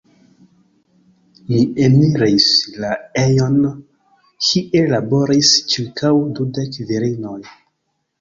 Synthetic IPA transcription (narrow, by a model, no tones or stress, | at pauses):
miemiɾislaejo̞n | kʰiʔe̞labo̞ɾist͡ʃiɾkʰawdudekviɾinoj